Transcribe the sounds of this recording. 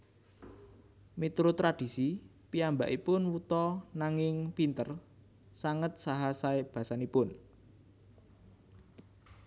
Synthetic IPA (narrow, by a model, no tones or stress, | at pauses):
met̪ɾot̪ɾad̥i̤si | piamba̰ʔipʊnwut̪ɔnaŋɪŋpint̪ər | saŋət̪̚saɦasaeb̥a̤sanipʊn